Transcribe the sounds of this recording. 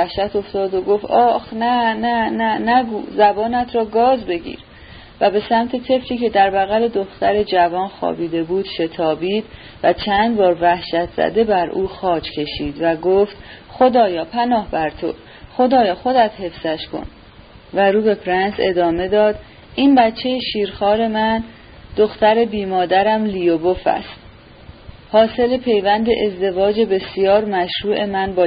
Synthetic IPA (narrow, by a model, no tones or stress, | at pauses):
æhʃæt̪ʰo̞ft̪ɒːd̪oɡoːft̪ɒːxnænænænæɡuːzæbɒːnæt̪ʰɾɒːɡɒːzbe̞ɟḭːɾ | væbe̞sæmt̪ʰe̞t̪ʰe̞fɾiːcʰe̞d̪æɾbæɣæle̞d̪o̞xt̪æɾe̞d͡ʒævɒːnxɒ̰ːbiːd̪e̞buːd̪̥ʃe̞t̪ʰɒːbiːd̪̥ | væt͡ʃʰænd̪bɒːɾvæhʃæt̪ʰz̥æ̰d̪e̞bæɾʔuːxɒːt͡ʃcʰe̞ʃiːd̪væɡoft̪xo̞d̪ɒːjɒːpʰænɒːhbæɾt̪ʰo̰ | xo̞d̪ɒːjɒːxo̞d̪æt̪he̞fz̥æʃkʰo̞̰n | væɾuːbe̞pʰɾænse̞̰d̪ɒːme̞d̪ɒːd̪̥ | ʔiːnbæt͡ʃʰːe̞jeʃiːɾxɒːɾe̞mæn | d̪̥oxt̪æɾe̞biːmɒːd̪æɾæmlijobo̞fæ̰st̪ | hɒːse̞lepʰe̞jvænd̪e̞ʔezd̪e̞vɒːd͡ʒe̞be̞sijɒːɾmæʃɾuːʔe̞mænbɒː